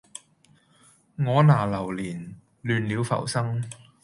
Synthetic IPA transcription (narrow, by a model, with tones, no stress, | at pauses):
ŋɔː˨˧naː˨˩lɐ˨˩wliː˨˩n | lyː˨˧nliː˨˧wfɐ̰˨˩wsɐ˥ŋ